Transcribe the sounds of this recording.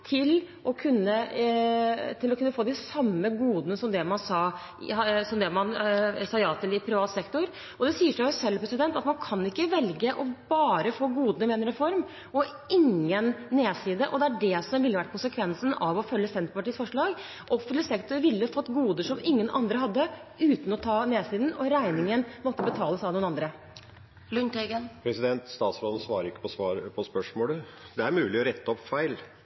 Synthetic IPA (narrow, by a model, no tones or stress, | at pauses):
t̪ʰɪl | ʔɔkʰʉnːə | t̪ʰɪlːɔkʉnːəfoːd̪ɪsɑmːəɡuːd̪nəsɔmd̪ɛmɑnsɑː | sɔmd̪ɛmɑnsɑːjɑːt̪ʰɪlɪpʰɾɪʋɑːt̪sɛkt̪ʊɾ | ɔd̪ɛsiːəʂɑʊsɛlːpʰɾɛsɪd̪ɛnt̪ɑt̪mɑnkʰɑnɪkːəʋɛlɡəʔɔb̥ɑːɾəfoːɡuːd̪nəmɛnɾɛfɔɾm | ʔɔ | ɪŋːənːeːsiːd̪əʔɔd̪ɛæɖɛsɔmʋɪlːəʋæʈ̚ːkʰʊnsəkʰʋɛnsn̩ɑʋɔfœlːəsɛnt̪pɑʈiːsfɔʂɭɑːɡ | ʔɔfəsɛkt̪əɾʋɪlːəfɔt̪ːɡuːd̪əʂɔmɪŋːənʔɑ̰nd̪ɾəɦɑd̪ːəʉːt̪n̩ɔt̪ʰɑːneːsiːd̪n̩ɔɾæɪnɪŋənmɔt̪ːəbət̪ʰɑːləsɑʋnuːnɑnd̪ɾə | lʉnt̪ɛɡənpʰɾɛsɪd̪ɛnt̪st̪ɑːt̪sɾoːd̪nsʋɑːɾəɾɪkːə̥pɔsʋɑːɾəpʰɔspœʂmoːlə | d̪ɛæɾmʉːlɪɔɾɛt̪ːəɔpːfæɪl